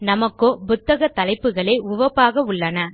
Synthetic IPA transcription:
nɐmɐkːoːbʊt̪ːɐɣɐt̪ɐlɐɪpːɯɣɐɭeːʊʋɐpːaːɣɐʊɭːɐnɐ

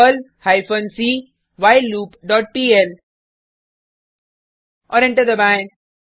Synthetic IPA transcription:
əlhaɪfə̃nsiː | ʋaɪluːpɖɔːʈ̚piːɛl | ɔːɾɛ̃ɳʈəɾd̪əbãɪ̃n

